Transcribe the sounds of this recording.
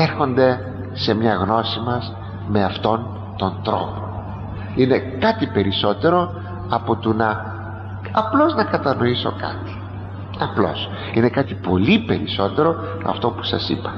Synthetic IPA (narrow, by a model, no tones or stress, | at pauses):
eɾxo̞nd̪e̞ | se̞mɲɐɣno̞simɐs | me̞ɐft̪o̞n | t̪o̞nd̪ɾo̞̰po̞ | ine̞kɐt̪ipe̞ɾiso̞t̪e̞ɾo̞ | ɐpot̪unɐ | ɐplo̞znɐkɐt̪ɐno̞iso̞̰kɐ̰t̪i̥ | ɐplo̞̰s | ine̞kɐt̪ipo̞lipe̞ɾiso̞t̪e̞ɾo̞ | mɐ̰ft̪o̞pu̥sɐ̰sipɐ̥